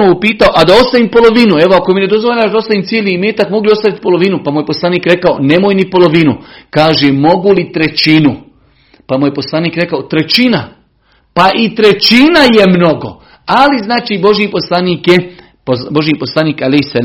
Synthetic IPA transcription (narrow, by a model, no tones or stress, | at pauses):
oupiːt̪aoʔad̪ao̞st̪aʋiːmpo̞lˠo̞ʋinue̞ʋoako̞mine̞d̪ozʋoʎaːʒd̪ao̞st̪aʋiːmt̪jelimeːt̪akmo̞ɡljio̞st̪aʋit̪i̥po̞lo̞ʋiːnupamujepo̞slˠaːniːkɾe̞kaonemojnipo̞lo̞ʋinukaːʒeːmo̞ɡulit̪ɾet͡ʃinu | pamujepo̞slˠaːniːkɾe̞kaot̪ɾe̞t͡ɕina | paʔit̪ɾe̞t͡ʃinaje̞mno̞ɡo̞̰ | aliznaːt͡ʃiːbo̞ʒjiposlaniːkje | pobo̞ʒjiposlaniːkalejhsa